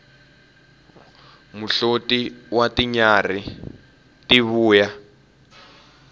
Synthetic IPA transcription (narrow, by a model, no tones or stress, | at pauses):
muɬotiwatiɲari | tiβuːja